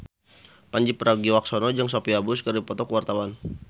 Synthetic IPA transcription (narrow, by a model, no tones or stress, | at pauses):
paɲd͡ʒipəɾaɡiwak̚sɔnɔd͡ʒaŋsɔpiabuskəɾipɔt̪ɔkəwart̪awan